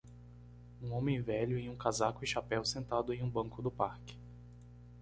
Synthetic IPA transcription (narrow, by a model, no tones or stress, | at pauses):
ũõmẽj̃vɛʎʊẽj̃ũkazakʊɪ̃ʃapɛwsẽnt̪ad̪ʊẽj̃ũbɐ̃ŋkʊd̪ʊpaɾkɪ̥